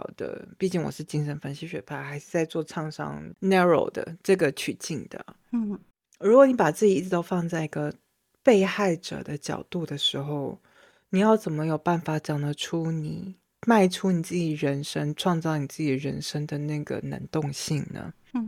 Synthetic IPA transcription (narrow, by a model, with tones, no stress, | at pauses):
ʊd̪̥ə̰˦pi˥˩t͡ɕi˥˩ŋwɔ̰˨˩ʂɻ̩˥˩t͡ɕi˥˧ŋʂə˧˥nfə˥nɕi˧˥ɕɥɛ˨˩pʰa˥˩xa˧˥ɪʂɻ̩˥˧t͡sa˥˧ɪt͡swɔ˥˧ʈ͡ʂʰɑ˥˧ŋʂɑ̰˥˩ŋnɛ˥ɹo̰˨˩ʊd̪ə̰˦ʈ͡ʂɤ˥˩ɡə˩t͡ɕʰy̰˨˩t͡ɕi˥˩ŋd̪ə̰˩˥ | ɻu˧˥kwɔ˧˩ni˧˥pa˨˩t͡sɹ̩˥˩t͡ɕi˨i˥˩ɻ̩˧t̪ɑ˥˧ʊfɑ˥˧ŋt͡sa˥˩ɪi˧˥ɡə˧ | pe˥˧ɪxa˥˩ɪʈ͡ʂɤ̰˨˩d̪ə˦t͡ɕjɑ̰˨˩ʊt̪u˥˩d̪ə˩ʂɻ̩˧˥xo˥˧ʊ | ni˨˩jɑ˥˩ʊt͡sə˨˩nmə˦jo˨˩ʊpa˥˩nfa˨˩˥t͡ɕɑ˨˩ŋlə˦ʈ͡ʂʰu˥nḭ˨˩ | ma˥˩ɪʈ͡ʂʰu˥ni˨˩t͡sɹ̩˥˩t͡ɕi˨˩ɻə˧˥nʂə˥ŋʈ͡ʂʰwɑ˥˧ŋt͡sɑ˥˩ʊni˨˩t͡sɹ̩˥˩t͡ɕi˨˩ɻə˧˥nʂə˥ŋd̪ə˨na˥˩ɪɡə̰˩na̰˧˥nt̪ʊ˥˧ŋɕi˥˩ŋnə̰˩